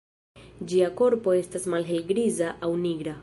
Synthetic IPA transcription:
d͡ʒiako̞ɾpo̞e̞stasmalɦe̞lɡɾizaʔawniɡɾa

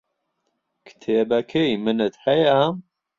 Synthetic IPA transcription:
kʰɨ̥t̪ʰeːbɐkʰejmɨnɨt̪hɛja

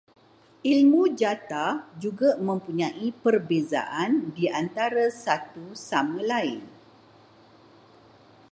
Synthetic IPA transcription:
ilmũd͡ʒat̪ad͡ʒuɡamə̃mpuɲãʔipərbeza̰ʔandiant̪aɾasat̪usamə̃lain

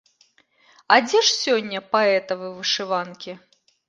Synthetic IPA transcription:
ɐd͡zʲɛʂsʲɔnʲːɐpaɛt̪ɐvɨvɨʂɨvankʲi

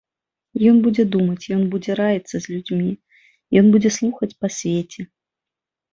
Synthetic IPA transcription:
jɔnbud͡zʲɛd̪umɐt͡sʲjɔnbud͡zʲɛɾajit̪sːɐzʲlʲud͡zʲmʲi | jɔnbud͡zʲɛslˠuxɐt͡sʲpasʲvʲet͡sʲɛ

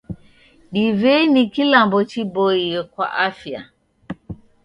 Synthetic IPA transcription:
ɗivɛinikilambɔt͡ʃibɔiɛkwa̰ʔafja̰

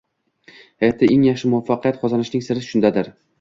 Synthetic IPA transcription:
hajɒt̪̚ʰːaʔeŋjɑχʃɪmʊafːɑqʰijat̪qʰɒzanɪʃnɪŋsɪɾɪʃʊnd̪ad̪ɪɾ

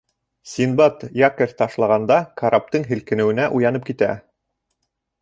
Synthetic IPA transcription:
sʲinbɑt̪jɑkɘɾt̪ɑʃlˠɑʁɑnd̪ɑkaɾap̚t̪ɤɴɦɘ̆lkɘ̆nɘ̆wɘ̆næʔujɑnɤp̚kit̪æ̰

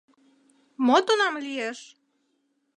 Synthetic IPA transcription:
mot̪onɑmlʲijeʃ

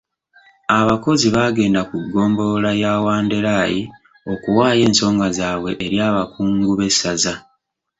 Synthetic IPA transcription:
aβako̞ziβaːɡe̞ːndakuɡːo̞ːmbo̞lajaːwaːnde̞ɾaːji | o̞kuwaːje̞ːnso̞ːŋɡazaːβwe̞ʔːɾjaːβakuːŋɡuβe̞saza

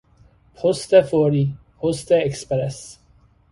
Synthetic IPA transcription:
pʰɔst̪əfɔɾi | pʰɔst̪əɛkspɾɛs

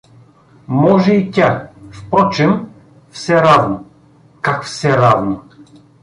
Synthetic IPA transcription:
mɔʒɛit̪ʲafpɾɔt͡ʃɛm | fsɛɾavno | kakfsɛɾavno

